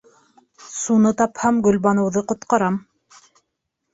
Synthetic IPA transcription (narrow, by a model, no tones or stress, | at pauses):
sunɤt̪ɑphɑmɡɵ̆lβɑnɤ̆wðɤqŏt̪qɑɾɑm